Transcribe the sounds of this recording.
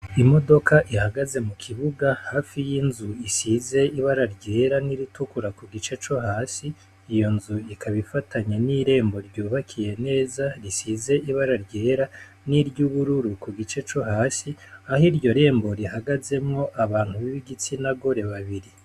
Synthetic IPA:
imo̞do̞kʰaʔihaɡaze̞mukʰiβuɡahaːfijinzuisize̞iβaɾaɾɟe̞ːɾaniɾitukuɾakuɡit͡ʃe̞t͡ʃo̞haːsiː | jo̞nzuikʰaβifataɲeniɾe̞ːmbo̞ɾɟuːβakʰije̞ne̞ːzaɾisize̞iβaɾaɾɟe̞ːɾa | niɾɟuːβuɾuɾukuɡit͡ʃe̞t͡ʃo̞haːsiahiɾɟo̞ɾe̞ːmbo̞ɾihaɡaze̞mŋo̞ʔaβaːn̥huβiβiɡit͡sinaɡo̞ɾe̞βaβiɾi

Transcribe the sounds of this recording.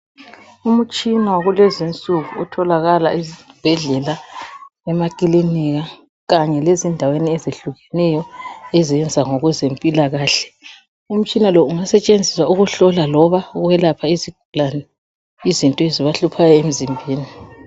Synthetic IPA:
um̩t͡ʃʼinawɣulezint͡sʼuɣuɔtʰɔlaɣalaʔizb̥ʱɛɮɛla | ɛmakʼiliniɣa | ɣaɲɛlezindʱaweniɛzeɬuɣɛnɛjɔɛzɛnd͡zʱaŋɔɣɛzempʼilaɣaːɬɛ̥ | um̩t͡ʃʼinalɔuŋasɛt͡ʃʼend͡zʱiswauɣuɬɔlalɔβaɣuwɛlapʰaiziɡ̥ʱulanɛ | izintʼɔeziβaɬupʰajɔem̩zimbʱiːni

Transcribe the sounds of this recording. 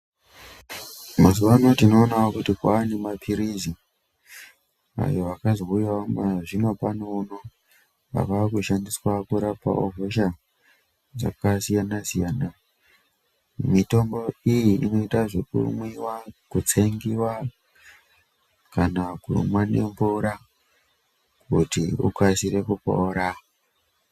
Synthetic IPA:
masuʋanotino̞ːnawakutikwaːnemapʰiɾizi | a̰jo̞ʋakazoujwamaʐino̞panoːno | pa̰kaakuʃandiswakuɾapa̰o̰voʃa | d͡za̰kasijanasijaːna | mito̞mbo̞ijiʔino̞itaʐe̞kṵmwiwakut͡seŋɡiwa | kanakṵmwane̞̰ɱvuɾa | kutiṵkasiɾe̞kupo̰ɾa

